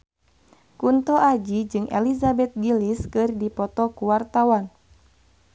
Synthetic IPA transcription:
kunt̪ɔʔad͡ʒid͡ʒɨŋɛ̰lizabɛt̪̚ɡiliskɨrdipɔt̪ɔkuwart̪awan

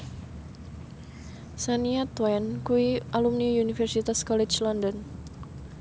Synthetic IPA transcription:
saniat̪wɛnkuiʔalumniunifɛrsit̪askɔlɛt͡ʃlɔnd̪ɔn

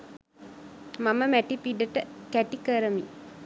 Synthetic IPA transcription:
maməmæʈipiɖəʈəkæʈikəɾəmi

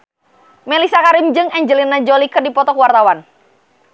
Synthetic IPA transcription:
mɛlisakaɾɪmd͡ʒɨŋɛɲd͡ʒəlinːad͡ʒolikɨrdipɔt̪ɔkuwart̪awan

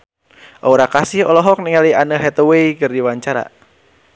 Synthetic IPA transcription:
ʔouɾakasihɔlɔɦɔk̚niŋalianəɦɛt̪oweikɨrdiwaɲt͡ʃaɾa̰

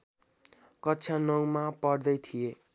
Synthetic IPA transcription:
kʌtːt͡sʰanʌw̃mapʌɽd̪ʌjt̪ʰije

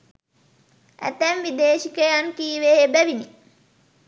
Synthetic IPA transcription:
ʔæ̰t̪ænʋid̪eːʃikəjankiːʋeːbæʋini

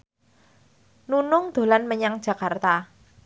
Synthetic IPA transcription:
nunʊŋd̪̥o̤lanməɲaŋd̥ʒ̥ä̤kart̪a

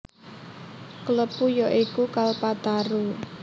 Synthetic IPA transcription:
kələpujɔʔikukalpad̪̥aɾu

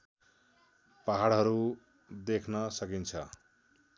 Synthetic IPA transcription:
paɦaɽɦʌɾu | d̪ekʰnʌsʌkint͡sʰʌ

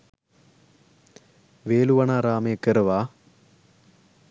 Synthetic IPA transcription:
ʋeːluʋɐɳaːɾaːmekːeɾɐʋaː

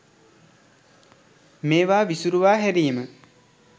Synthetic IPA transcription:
meːʋaːʋisuɾuʋaːɦæɾiːmə

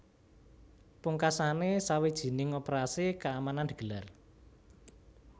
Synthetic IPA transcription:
puŋkasanesawed̥ʒ̥i̤nɪŋɔpɾasikaːmanand̪ə̥ɡ̥ə̤lar

